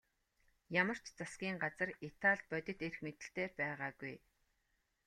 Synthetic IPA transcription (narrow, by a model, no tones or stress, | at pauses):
jamə̆r̥t͡ɕt͡sasɡʲiːŋɢat͡sə̆rit̪ʰaɮ̚pœt̪ʲɪ̆t̪erxmet̪ɘ̆ɬt̪eːpæːʁaːɡuj